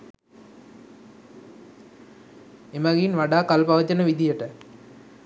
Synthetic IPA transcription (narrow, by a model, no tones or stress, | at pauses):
emɐɡinʋaɖaːkalpaʋɐd͡ʒɐnəʋid̪ijəʈə